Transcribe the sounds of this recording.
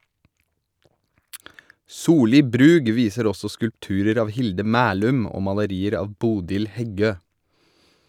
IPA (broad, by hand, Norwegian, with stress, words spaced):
ˈsuːˌliː ˈbɾʉːɡ ˈʋiːsəɾ ˈɔsɔ skʉlpˈtʉːɾəɾ ˈɑːʋ ˈhɪldə ˈmæːlʉm ˈoː mɑləˈɾiːəɾ ˈɑːʋ ˈbuːdɪl ˈhɛˌɡøː